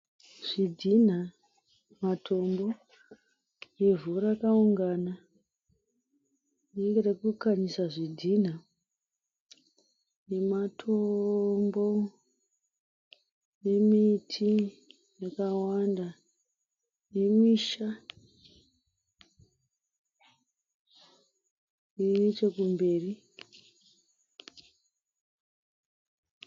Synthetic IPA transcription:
ʐ̥idʱin̤a | matʰo̞mbo̞ | jevuɾakauŋɡana | neŋɡeɾekukaɲisaʐidʱin̤a | ne̞matʰombo̞ | nemitʰi | jakawanda | nemiʃa | iit͡ʃekumbe̞ːri

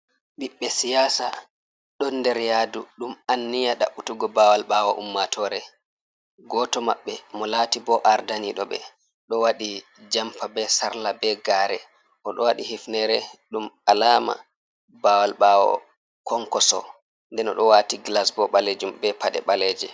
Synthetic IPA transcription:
ɓiɓːɛsijaːsa | ɗɔndɛɾjaduɗumanːijaɗaʔutuɡɔbawalɓawɔʔṵmːatʰɔːɾɛ | ɡɔtɔma̰ɓːɛmɔlaːtibɔʔaɾdaniɗɔɓɛ̰ | ɗɔwaɗi | d͡ʒampabɛsaɾlabɛɡaːɾɛ | ʔɔɗɔwaɗihifnɛɾɛɗumalaːma̰ | bawalɓawɔ̰ | kʰɔŋkɔsɔ̰ | ndɛnɔ̰ɗɔwatiɡlasbɔɓaled͡ʒumbɛpaɗɛ̰ɓalɛːd͡ʒɛ

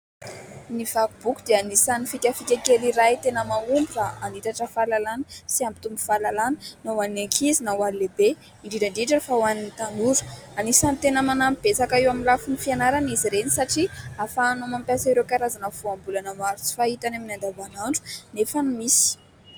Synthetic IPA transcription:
niv̥akub̥ukud̪̥eanisanifikʲafikʲekeliɾajt̪enəmaumbiɾaʔanit̪aʈ͡ʂəfalalanəsiambi̥t̪umbu̥falalanənawanineŋkʰizinawalilebe | iɳɖ͡ʐiɖ͡ʐaɳɖ͡ʐiʈ͡ʂafawaninit̪anuɾu̥anisanit̪enəmanamib̥esakaiwaminlafunifianaɾaniziɾenisaʈ͡ʂiafanomampjasiɾewkaɾazanəv̥uambulanəmaɾut͡si̥fait̪anaminand̪abanaɳɖ͡ʐu̥nefənimisi̥

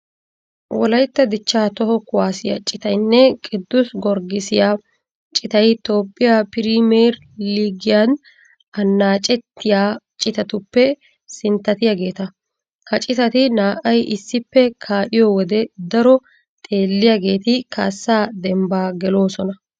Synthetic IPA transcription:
wɔlɐjt̪ːɐd̪ɪt͡ʃːaːt̪ɔhɔkʊwaːsɪja̰t͡ʃʼɪt̪ɐjnːɛkʼɪd̪ːʊsɡɔɾɡɪsɪjaː | t͡ʃʼɪt̪ɐjt̪o̞ːpʼːɪjapɪɾiːmeːɾ | liːɡɪjan | ɐnːaːt͡ʃʼɛt̪ːɪjaːt͡ʃʼɪt̪ɐt̪ʊpːɛ | sɪnt̪ːɐt̪ɪjaːɡe̞ːt̪ɐ | kɐt͡ʃʼɪt̪ɐt̪ɪnaːʔɐjʔɪsːɪpːɛkʰaːʔɪjɔwɔd̪ɛd̪ɐɾɔ | t̪ʼe̞ːlːɪjaɡe̞ːt̪ɪkʰaːsːaːd̪ɛmbaːɡɛlo̞ːsɔnɐ

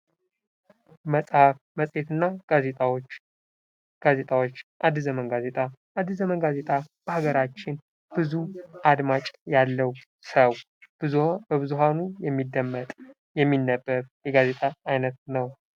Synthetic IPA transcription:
məsʼhaf | məsʼe̞t̪ɨnːaazet̪ʼt͡ʃː | ɡ̥aze̞t̪ʼawo̞t͡ʃːʔad̪ːɨzəmənɡaze̞t̪ʼaʔad̪ːɨzəmənɡaze̞t̪ʼab̥əhaɡəɾat͡ʃːɪn | b̥ɨzuʔad̪mat͡ʃʼjalːəw | səw | b̥ɨzubəβɨzuɦanujɛmːid̪ːəmːət̪ʼ | jɛmːinːəbːəɾjɛɡaze̞t̪ʼaajnət̪nəw

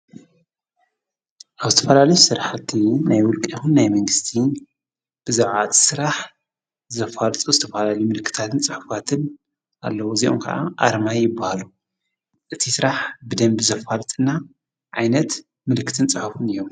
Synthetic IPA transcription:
ʔaβzɨt̪ʰɐfɐlalɐjusɨɾaħt̪ʰːinajwʊlkʼixunːajmɐŋɡɨst̪ʰi | b̥ɨzaʕʕat̪sɨɾaħ | zɐfalt̪ʼuzɨt̪ʰɐfɐlalɐjumɨlkːɨ̥t̪ʰat̪ʰɨnt͡sʼɨħufat̪ʰɨn | ʔa̰lːɐwoziʔo̰mkʰɐ̰ʔa̰ʔa̰ɾmajjɪbːahalu | ʔɨt̪ʰisɨɾaħbɨd̪ɐmbizɐfalt̪ʼɨnːa | ʕajnɐt̪ | mɨlkʰːɨ̥t̪ʰɨnt͡sʼɨħufɨnɨjo̞m

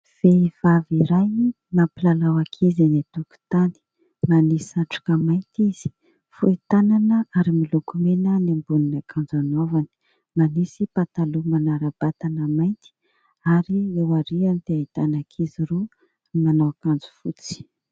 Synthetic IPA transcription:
v̥ev̥aviɾaj | napilalawakʰizinet̪uku̥t̪ani̥ | manisiaʈ͡ʂu̥kəmajnt̪iz̥i̥ | fuit̪ananəaɾimilukumenənambuninakʰand͡zanovani̥ | manisipat̪alumanaɾab̥at̪anəmajnt̪i̥ | aɾiewaɾianit̪eait̪anakʰiziɾu | manawakand͡zu̥fut͡si̥

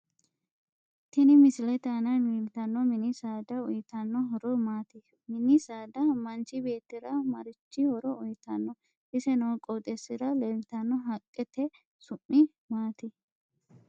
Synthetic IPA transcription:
t̪ɪnɪmɪsɪlɛt̪aːnɐmiːlt̪ɐnːɔmɪnisaːd̪ɐɔjɪt̪ɐnːɔɦɔɾɔmaːt̪ɪ | mɪnisaːd̪ɐmɐnt͡ʃɪbe̞ːt̪ːɪɾɐmɐɾɪt͡ʃːɪhɔɾɔʊjt̪ɐnːɔ | ʔɪsɛnɐkʼɔt̪ʼɛsɪɾɐlɛlt̪ɐnːɔɦɐkʼːɛt̪ːɛ | sʊmːɪ | maːt̪ɪ

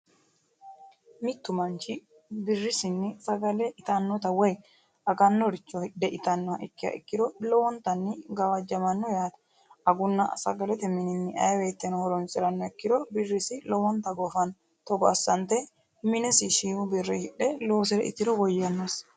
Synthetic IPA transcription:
mɪt̪ːʊmɐnt͡ʃɪ | bɪrːɪsɪnːɪsɐɡɐlɛɪt̪ɐnːɔt̪ɐwɛj | ɐɡɐnːɔɾɪt͡ʃːɔd̪ɛʔɪt̪ɐnːɔɐʔɪkːɪjɐ̰ʔɪ̰kːɪd̪ɔlɔwɔnt̪ɐnːɪɡɐwɐd͡ʒɐmɐnːɔjaːt̪ɐ̥ | ɐɡʊnːɐsɐ̰ɡɐlɛt̪ɛmɪnɪnːɪʔɐjweːt̪ːɛnhɔɾɔnsʼɪɾɐnːɔɛkːɪd̪ɔbɪrːɪsɪlɔwɔnt̪ɐɡɔfɐn | t̪ɔɡɐ̰sːɐnt̪ɛ | mɪnɛsɪʃiːʊbɪrːɪhɪᶑɛloːsɪɾɛ̰ʔɪ̰t̪ːɪɾɔwɔjːɐnːɔs

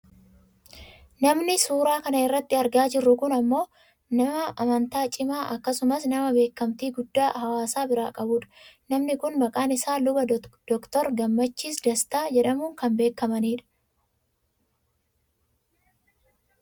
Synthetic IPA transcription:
nɐmnɪsuːɾaːkɐnɐɪrːɐt̪ːɪɐɾɡaːd͡ʒɪrːʊkʊnɐmːo̞ː | nɐmɐʔɐmɐnt̪aːt͡ʃʼɪmaːʔɐkːɐsʊmɐsnɐmɐbe̞ːkːɐmt̪iːɡʊd̪ːaːhɐwaːsaːbɪɾa̰ːkʼɐbuːᶑɐ̥nɐmnɪkʊnmɐkʼaːnɪsaːlʊbɐd̪̥ɔkt̪ɔɾɡɐmːɐt͡ʃːiːsd̪ɐst̪aːd͡ʒɛᶑɐmuːŋkɐmbe̞ːkːɐmɐniːᶑɐ̥

